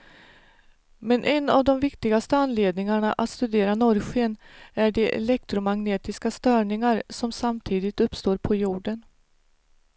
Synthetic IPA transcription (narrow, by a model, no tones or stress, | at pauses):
mɛnʔɛna̰vd̪ɔmvɪkt̪ɪɡast̪əanleːd̪nɪŋaɳaʔat̪st̪ɵd̪eːɾanɔɾɧeənæɖɛʔɛ̰lɛk̚t̪ɾʊmaɡneːt̪ɪskast̪œːɳɪŋaɾsɔmsamt̪ʰiːd̪ɪt̪ɵpːst̪oːɾpʰɔjuːɖən